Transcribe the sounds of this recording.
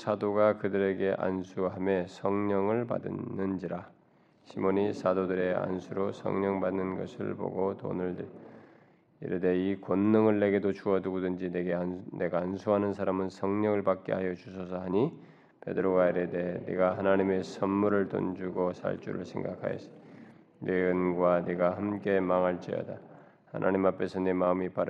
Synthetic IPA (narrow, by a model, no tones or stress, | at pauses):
sʰadoɡakɯdɯɾe̞ɡe̞ʔa̰nsʰuɦamesʰʌŋɲʌŋɯɭpa̰dɯ̰nːɯnd͡ʑiɾa | ɕʰimoɲisʰadodɯɾe̞a̰nsʰuɾosʰʌ̰ŋɲʌŋbanːɯnɡʌ̰sʰɯ̰ɭpo̰ɡoto̰nɯɭ | ḭɾedeikonːɯŋɯɭːe̞ɡe̞dot͡ɕuʌduɡodɯnd͡ʑineɡene̞ɡaːnsʰuɦanɯnsʰaɾamɯnsʰʌŋɲʌŋɯɭpak͈ḛɦajʌd͡ʑusʰʌs̬ʰʌɦaɲi | pe̞̰dɯɾoɡaiɾede̞nḛɡahanaɲime̞sʰʌnmuɾɯɭto̰nd͡ʑuɡosʰa̰ɭt͡ɕ͈ṵɾɯ̰ɭsʰe̞̰ŋɡa̰kʰa̰jʌ̰s | neɡɯnɡwaneɡahamk͈e̞maŋɦaɭt͡ɕ͈ʌ̰jʌ̰da | ha̰nʔa̰ɲimapʰe̞sʰʌnemaɯmipa